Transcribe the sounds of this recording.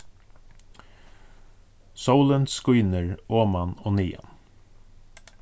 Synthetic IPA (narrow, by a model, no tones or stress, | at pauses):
sowlənskujnəɹoːmanɔːniːa̰n